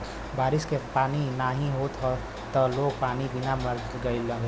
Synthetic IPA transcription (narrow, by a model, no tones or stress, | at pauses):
baːɾɪskepaːninaɦĩɦoːt̪ɦo | t̪ɔloːɡ̚paːnibɪnamɐɾd̪ɡɐiləɡ